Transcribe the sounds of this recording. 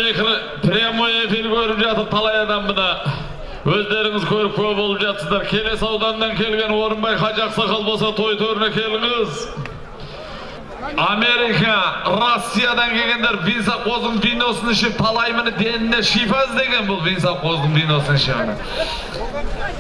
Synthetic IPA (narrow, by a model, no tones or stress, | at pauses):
ekɾ | pʰɾʲemoe̞fiɾkʲʰɵɾɪpʒɑt̪əɾ̚t̪ʰɑlˠɑjɑd̪ɑmbənɑ | wɵzd̪e̞ɾɪŋɪzkʲʰɵɾɪp̚kʲʰɵbo̞lˠəpʒɑt̪əsəzd̪ɑɾkʲʰe̞le̞sɑwd̪ɑnːɑŋkʲʰe̞lɡʲe̞nwo̞ɾəmbɑjqɑʒɑqsɑqʰɑlˠbɑsɑt̪ʰo̞jt̪ʰɵɾɪnekʲʰe̞lɪŋɪz | ɑme̞ɾikɑɾo̞sʲːijad̪ɑŋkʲʰe̞ɡʲe̞nd̪eɾvijnsɑq̚o̞zd̪əɴvijno̞sənɪʃɪp̚t̪ʰɑlˠɑjmɪnɪd̪e̞nɪne̞ʃijpɑzd̪e̞ɡʲe̞nbʊlˠvijnsɑqo̞zd̪əɴvijno̞sənɪʃɪmɪnɪ̰